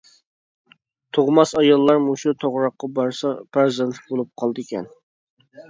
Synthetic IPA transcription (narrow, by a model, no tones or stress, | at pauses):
t̪ʰoʁmɑsɑjɑlˠːɑɾmoʃut̪ʰoʁɾɑqːɑbɑɾsɑpʰæɾzɛnt̪ʰɪ̥k̚ʲbolˠup̚qʰɑlˠd̪ɨkʲɛ̰n